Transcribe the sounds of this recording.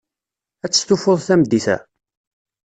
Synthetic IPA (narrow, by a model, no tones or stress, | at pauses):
æt͡sːə̥st̪ufoðˤθæmd̪ːiθæ̰